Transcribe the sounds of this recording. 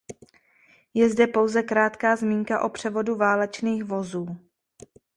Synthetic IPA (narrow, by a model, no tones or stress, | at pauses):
jɛzdɛpo̞wzɛkɾaːt̪kaːzmiːŋkaʔo̞pr̝̥ɛvo̞duvaːlɛt͡ʃniːxvo̞zuː